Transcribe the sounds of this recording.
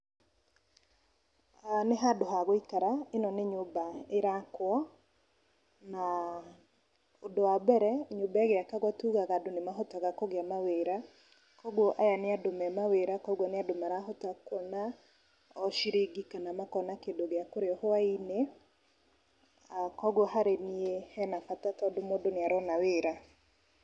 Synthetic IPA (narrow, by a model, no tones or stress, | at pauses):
aneɦadoɦaɣoikaɾaenɔneɲobaeɾakwɔ | na | odoabɛɾɛɲobaeɣeakaɣwatuɣaɣadonemaɦɔtaɣakoɣeamaweɾa | kɔɣwoʔajaneadomɛmaweɾakɔɡɔneadomaɾaɦɔtakɔna | ɔʃiɾeɡikanamakɔnakendoɣeakoɾeɔhoaine | akɔɡwɔhaɾeniehɛnafatatɔdomodoneaɾɔnaweɾa